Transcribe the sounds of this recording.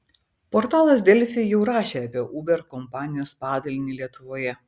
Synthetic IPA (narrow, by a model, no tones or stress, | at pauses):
pɔɾt̪ɑːlˠɐsd̪ʲɛlʲfʲɪjɛʊɾɑːʃʲeːɐːpʲiɛʔuːbʲɛɾkɔmpɑːnʲɪjoːspɑːd̪ɐlʲnʲiːlʲiɛt̪ʊʋoːjɛ